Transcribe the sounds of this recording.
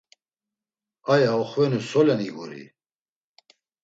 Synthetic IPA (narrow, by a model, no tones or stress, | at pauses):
ajaɔχvɛnusɔlɛniɡṵɾḭ